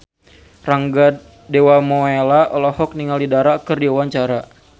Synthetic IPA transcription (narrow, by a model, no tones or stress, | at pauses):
raŋɡa | dewamoelaʔɔlɔhɔk̚niŋalidaɾakɨrdiwawaɲt͡ʃaɾa